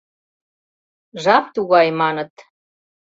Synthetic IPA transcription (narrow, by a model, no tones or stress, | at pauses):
ʒɑp̚t̪uɣɑjmɑnɤ̆t̪